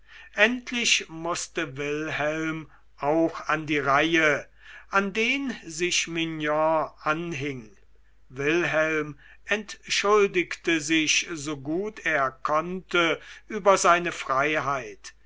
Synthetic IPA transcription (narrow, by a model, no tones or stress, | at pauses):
ʔɛntʰlɪʃmʊstəvɪlhɛlm | ʔaʊxandiːʁaɪjə | ʔandeːnzɪʃmɪnjɔ̃ʔanɦɪŋ | vɪlɦɛlm | ʔɛntʃʊldɪktəzɪʃzoɡuːteːɐkʰɔntəʔyːbɐzaɪnəfʁ̥aɪɦaɪt